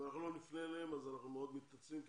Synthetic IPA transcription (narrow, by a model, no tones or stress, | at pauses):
anaχnulo̞nifneleemazanaχnumeo̞d̪mit̪at͡svimk